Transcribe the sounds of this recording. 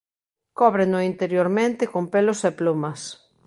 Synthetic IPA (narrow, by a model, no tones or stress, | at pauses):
kɔβɾenʊint̪eɾjoɾmẽnt̪ɪkompelʊseplumɐs